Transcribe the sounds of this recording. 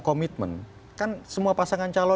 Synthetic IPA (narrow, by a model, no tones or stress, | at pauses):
kɔmit̪̚mə̰n | kansəmuapasaŋant͡ʃalɔ